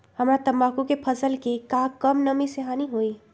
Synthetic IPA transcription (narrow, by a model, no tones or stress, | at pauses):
həmɾat̪əmakukepʰəsəlkekakəmnəmiseɦaniɦoi